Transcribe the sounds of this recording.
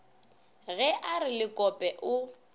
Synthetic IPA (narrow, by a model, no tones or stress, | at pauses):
ɣɛʔarɪlɪkʼɔpʼɛʔʊ